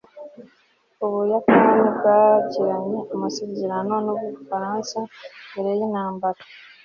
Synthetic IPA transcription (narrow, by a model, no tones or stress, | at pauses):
oβujakanibɡaciɾaɲeamasezeɾanonoβufaɾaːnsabeɾejinaːmbaɾḁ